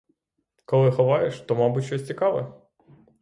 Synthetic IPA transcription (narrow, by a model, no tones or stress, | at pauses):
kɔlˠɪxɔʋɑjeʃt̪ɔmɑbutʲʃɔsʲt͡sʲikɑʋɛ